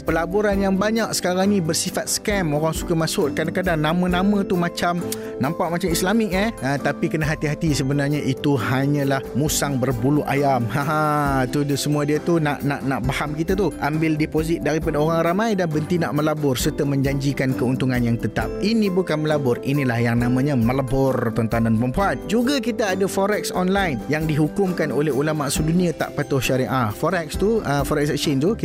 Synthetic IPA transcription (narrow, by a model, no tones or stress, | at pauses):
pəlabuɾanjaŋbaɲaksə̥kaɾaŋnĩbərsifat̪̚sə̥kɛmoɾaŋsu̥kamasʊʔ̚kadakadaŋnãmə̃nãmə̃t̪umat͡ʃam | nãmpaʔmat͡ʃamislamɪk̚ɛət̪apikənaɦat̪iɦat̪isəbənarɲaʔit̪uɦaɲə̃lahmusaŋbərbuluʔa̰jamhãɦat̪udsəmuadiət̪unaʔnaʔnaʔbahamkit̪at̪uʔambɪldɛpozɪt̪̚daɾipadaoɾaŋramãjdanbənt̪ina̰ʔməlabʊrsərt̪amə̃ɲd͡ʒaɲd͡ʒikankəunt̪uŋanjaŋt̪ət̪a̰p̚inĩbukanməlabʊrḭnilahjaŋnãmãɲə̃mə̃labʊrt̪ɔnt̪andanpəmpuan̚d͡ʒuɡakit̪aadafɔɾɛk̚sɔnlajnjaŋdiɦukʊmkanolɛɦulamaʔsudunĩat̪a̰ʔpat̪ʊhʃaɾiʔafɔɾɛk̚st̪uəfɔɾɛksɛksint̪uki